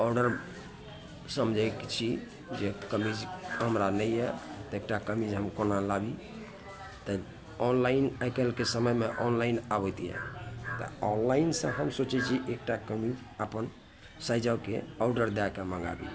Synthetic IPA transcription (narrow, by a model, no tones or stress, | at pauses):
ɔɖəɾ | səmd͡ʒʱajkt͡ʃʰi | d͡ʒekəmid͡ʒɦəmɾanəjɛt̪ɔek̚ʈakəmid͡ʒɦəmkonalabi | t̪ɔ | ɔnlainajkəlkesəməjmeʔɔnlainabət̪ijɛ̰t̪ɔ̰ɔnlainsə̃ɦəmsot͡ʃɛt͡ʃʰiʔek̚ʈakəmid͡ʒ | əpən | sajd͡ʒawkḛɔɖəɾd̪akeməɡa̰bḭ